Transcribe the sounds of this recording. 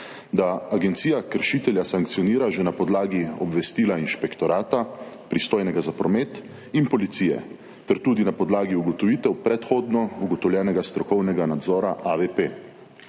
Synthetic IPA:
d̪aaɡɛnt̪siːjakəɾʃiːt̪ɛljasaŋk̚t̪siɔniːɾaʒɛnapɔd̪laːɡiɔ̰bʋɛst̪iːlainʃpɛkt̪ɔɾaːt̪a | pɾist̪oːjnɛɡazapɾɔmet̪ | inpɔlit̪sijɛ̰ | t̪ɛɾt̪uːd̪inapɔd̪laːɡiuɡɔt̪ɔʋiːt̪ɛwpɾɛt̪xoːd̪nɔuɡɔt̪ɔwlʲjɛːnɛɡast̪ɾɔkɔwnɛɡanad̪zɔːɾaʔaʋepe

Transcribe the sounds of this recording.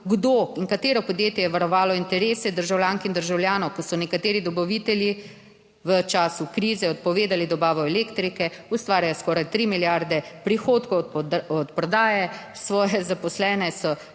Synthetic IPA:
ɡd̪oiŋkat̪eːɾɔpɔd̪jeːt̪jɛjɛʋaɾɔʋaːlɔint̪ɛɾeːsɛd̪əɾʒawlʲjaːŋkind̪əɾʒawljaːnɔwkɔsɔnɛkat̪eːɾid̪ɔbɔʋit̪ɛlji | ʋət͡ʃaːsukɾiːzɛɔt̪̚pɔʋeːd̪alid̪ɔbaːʋɔɛleːkt̪ɾikɛust̪ʋaːɾjajɔskɔːɾajt̪ɾimiljaɾd̪ɛpɾixoːt̪kɔwɔt̪pɾɔd̪aːjɛsʋɔːjɛzapɔslɛːnɛsɔ

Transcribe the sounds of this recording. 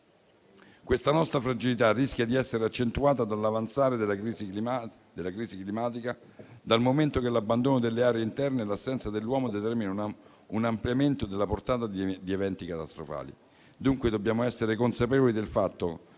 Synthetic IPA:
kwest̪anɔst̪ɾafɾad͡ʒilit̪arːiskʲjad̪iɛsːeɾeat͡ʃːent̪uaːt̪ad̪alːavant̪saːɾed̪elːa | d̪elːakɾiːziklimaːt̪̬ika | d̪almoment̪okelabːand̪oːnod̪elːeaːɾeeint̪ɛrnelasːɛnt̪sad̪elːwɔːmod̪et̪ɛrminan | unampljament̪od̪elːaport̪aːt̪ad̪ievɛnt̪ikat̪ast̪ɾofa̰ːlḭ | d̪uŋkwed̪objaːmoɛsːeɾekonsapeːvolid̪elfat̪ːo

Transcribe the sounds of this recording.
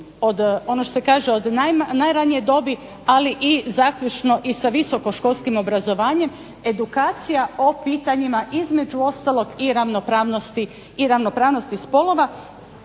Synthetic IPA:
o̞d̪o̞noʃt̪osekaːʒeod̪anajɾanije̞d̪o̞bi | aliʔizaːkʎʲut͡ʃno̞ʔisaʋiso̞ko̞ʃko̞lˠskimo̞bɾazo̞ʋaːɲe̞m | e̞d̪ukaːt̪sijao̞piːt̪aɲimaʔizme̞d͡ʒuo̞st̪alˠo̞ɡiɾaʋnopɾaːʋnost̪iː | ɾaʋno̞pɾaːʋno̞st̪ispo̞lˠo̞ʋa

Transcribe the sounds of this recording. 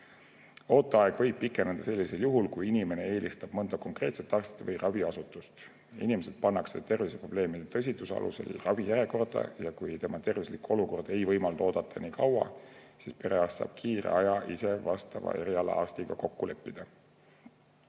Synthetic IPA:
o̞ːt̪ːˑɑɑe̞ɡ̥vɤ̞jb̚pːikˑːenɑnd̪ɑse̞lːise̞ljuɦulkujinime̞ne̞e̞ːlʲist̪ɑb̥mɤnd̪̥ɑko̞ŋkre̞ːt̪se̞t̪ːˑɑrst̪it̪vɤjrɑviɑsut̪ːˑust̪ | ḭnimese̞d̪̥̚pɑnːɑkse̞̰t̪e̞rvisepro̞b̥le̞ːmid̪t̪ɤs̬ʲit̪usɑ̰lṵse̞̰lrɑvijæɾe̞ko̞rd̪̥ɑ̰jɑkujt̪e̞mɑt̪e̞rvislikuo̞luko̞rd̪̥e̞jvɤjmɑld̪̥o̞ːd̪̥ɑt̪ʰːˑɑniːkʰɑwɑ̰ | sispe̞ɾe̞ɑstsɑ̰ːb̥̚kʰiːrḛɑjɑʔise̞vɑst̪ɑ̰vɑ̰e̞̰ɾiɑlɑ̰ɑrst̪iɡ̥ɑko̞kːule̞pːid̪̥ɑ

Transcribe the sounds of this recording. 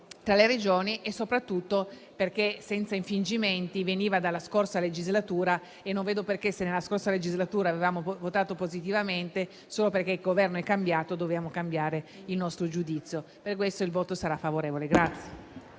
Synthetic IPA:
t̪ɾaleɾed͡ʒoːniʔesːopɾat̪ːut̪ːo | perk̟esɛnt̪saiɱfind͡ʒiment̪iveniːvad̪alːaskorsaled͡ʒizlat̪uːɾa | enːõɱveːd̪operkesenːelːaskorsaled͡ʒizlat̪uːɾaːvevaːmovot̪aːt̪opozit̪ivament̪e | soːloperkeilɡovɛrnoɛkːambjaːt̪od̪ovjaːmokambjaːɾe | ilnɔst̪ɾod͡ʒud̪it̪sːjo | perkwest̪oilvoːt̪osaɾafːavoɾeːvoleɡɾat̪sːje

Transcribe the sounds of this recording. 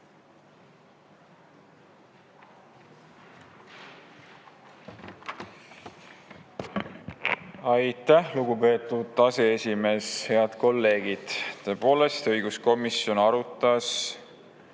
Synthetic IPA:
ɑjt̪æhluɡupe̞ːt̪ːˑud̪ɑse̞esʲime̞ːshe̞ɑd̪̥ko̞lːe̞ːɡ̥id̪̥t̪ːø̞ːpo̞ːle̞st̪ɤjɡ̥usko̞misjo̞nɑɾut̪ːˑɑs

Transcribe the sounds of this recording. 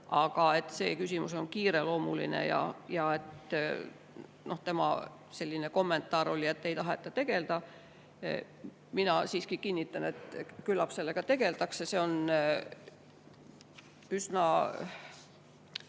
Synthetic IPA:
ɑɡ̥ɑe̞t̪ːˑseːkysʲimuso̞nkiːɾe̞lo̞ːmulḭnḛjɑ̰jɑe̞t̪ | no̞ht̪e̞mɑ̰ | se̞lʲːine̞ko̞mːe̞nt̪ːˑɑːɾo̞lʲiet̪ːe̞jt̪ɑɦet̪ːˑɑt̪e̞ɡ̥e̞ld̪̥ɑ | minɑsiːskikinːit̪ːˑɑne̞t̪kylːɑpse̞lːeɡ̥ɑt̪e̞ɡ̥e̞lt̪ɑksese̞o̞n | ysnɑ

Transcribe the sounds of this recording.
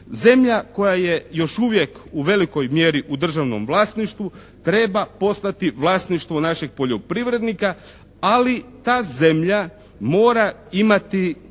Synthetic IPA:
ze̞mʎako̞jaje̞jo̞ʃuʋje̞kuʋe̞liko̞jmjeɾiʔud̪r̩ʒaʋno̞̰mʋlˠaːst̪niʃt̪ʋu | t̪ɾe̞bapo̞st̪at̪iʋlˠaːst̪niʃt̪ʋonaʃeɡ̚po̞ʎo̞pɾiʋɾe̞d̪nika | alit̪aːze̞mʎa | mo̞ːɾaimat̪i

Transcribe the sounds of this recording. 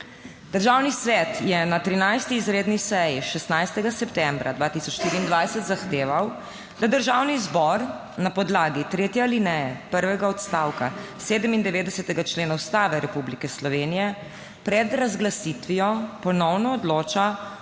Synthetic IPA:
d̪̥əɾʒaːwnisʋɛt̪jɛnat̪ɾinajst̪iːzɾeːd̪nisɛjiʃɛst̪najst̪ɛɡasɛpt̪ɛmbɾa̰d̪ʋaːt̪isɔt͡ʃʃt̪iːɾiːnd̪ʋajsɛt̪zaxt̪eːʋaw | d̪ad̪əɾʒawnizbɔɾ | napɔd̪laːɡit̪ɾeːt̪jɛlinɛjɛpəɾʋɛɡaɔt̪st̪awka̰ | seːd̪əmind̪ɛʋeːd̪ɛsɛt̪ɛɡat͡ʃleːnawst̪aːʋɛɾɛpublikɛslɔʋeːnijɛ | pɾɛd̪ɾazɡlasit̪ʋijɔpɔnɔwnɔːd̪loːt͡ʃa

